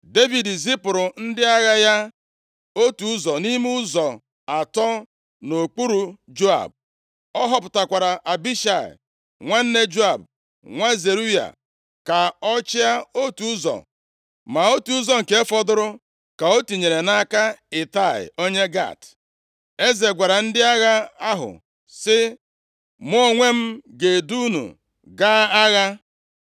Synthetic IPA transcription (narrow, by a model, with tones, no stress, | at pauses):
de˦vi˨dzi˦pʊ˨ɾʊ˨n̩˦dɪ˦a˦ɣa˦ja˦ | o˦tu˨ʊ˦zɔ˨ni˦m˦ʊ˦zɔ˨ | a˨tɔ˦ | no˨k͡pu˦ɾu˨d͡ʒo˦a̰˨b̚ | ɔ˦ɦɔ˨pʊ˨ta˨kʷa˨ɾa˨ʔa˨bi˦ʃa˨ɪ̰˨ | ŋʷa˦n̩˦ne˦d͡ʒo˦a˨b | ŋʷa˦ze˨ɾu˦ja̰˨ | ka˨ɔ˦t͡ʃɪ˦a˦o˦tu˦zɔ̰˨ | ma˨o˦tu˦zɔ˨ŋ̩˨ke˦fɔ˦dʊ˦ɾʊ˦ | ka˨o˦tu˨ɲe˨ɾe˨na˦ka˦e˨ta˦˨ɪ̰˨o˦ɲe˦ɡa̰˦˨t | e˦ze˨ɡʷa˨ɾa˨n̩˦dɪ˦a˦ɣa˦a˦ɦʊ̰˨ | sɪ˦ | m˦o˦ŋʷe˦m̩˦ɡe˨du˦nṵ˨ | ɡa˦a˦ɣa˦